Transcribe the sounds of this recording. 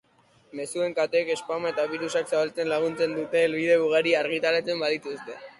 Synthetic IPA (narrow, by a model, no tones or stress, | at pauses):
me̞sue̞ŋkat̪eke̞spamaet̪aβ̞iɾusaksaβalt͡se̞nlaɣ̞unt͡se̞nd̪ut̪e̞lβiðe̞βuɣaɾiaɾɣit̪alet͡se̞mbaðit̪ust̪e̞